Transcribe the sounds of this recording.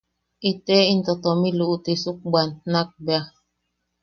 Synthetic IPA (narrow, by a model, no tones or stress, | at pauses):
etɛin̩tɔtɔmiluʔutesuk̚ɡ͡banːak̚bja